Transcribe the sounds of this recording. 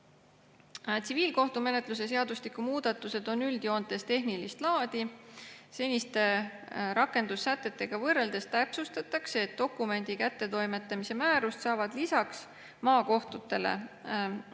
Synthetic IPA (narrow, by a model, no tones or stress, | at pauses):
t̪siviːlko̞ht̪ume̞ne̞t̪ˑlus̬e̞s̬e̞ɑd̪ust̪ikːˑumuːd̪̥ɑt̪ːˑuse̞d̪o̞nːyld̪jo̞ːnd̪̚d̪e̞st̪e̞ɦnilist̪lɑːd̪̥ise̞nʲist̪e̞ɾɑkːˑe̞nd̪̥usːæt̪ˑːe̞t̪ːe̞ɡ̥ɑvɤre̞ld̪e̞st̪æpsust̪ɑt̪ːˑɑkseːt̪̚ːo̞kːume̞nʲd̪̥ikæt̪ːe̞t̪o̞jme̞t̪ːˑɑmise̞mæːɾust̪sɑːvɑd̪̥lisɑks | mɑːko̞ht̪ut̪ːˑe̞lḛ